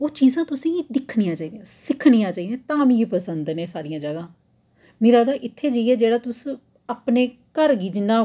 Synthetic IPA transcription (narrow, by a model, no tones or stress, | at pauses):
oːt͡ʃiːzãːt̪ʊsĩːd̪ɪkʰnijãːt͡ʃaːiːd̪ejãːsɪkʰɽiːjãːt͡ʃaːiːd̪ẽːt̪ãːmĩːipəsənd̪nẽːsaːɾijãːd͡ʒəɡãː | miːɾaːd̪aːʔɪt̪ʰːeːd͡ʒiiɛːd͡ʒeːɽaːt̪ʊs | aːpneːkəɾɡiːd͡ʒnãː